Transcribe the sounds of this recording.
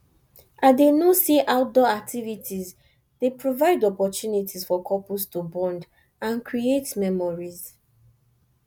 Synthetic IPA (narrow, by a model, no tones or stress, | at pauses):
ʔadenosiʔaʊt̚dɔak̚tʰivitʰiz | depɹovaɪdɔpɔtjunitizfɔkʰɔpustubɔ̃nd | ãnkɹietmɛmɔɹiz